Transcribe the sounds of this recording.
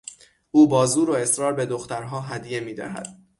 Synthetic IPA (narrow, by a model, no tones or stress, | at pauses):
ʔuːbɒːzuːɾoe̞sɾɒːɾbe̞d̪oxt̪æɾɦɒːɦæd̪ije̞miːd̪æ̰ɦæ̰d̪̥